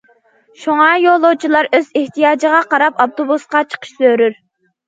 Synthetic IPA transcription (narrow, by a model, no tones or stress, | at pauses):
ʃuŋɑjolˠot͡ʃʰilˠɑɾøzeht̪ʰijɑːd͡ʒəʁɑqʰɑɾɑpɑp̚t̪obusqɑt͡ʃʰə̥qʰə̥ʃsøɾyɾ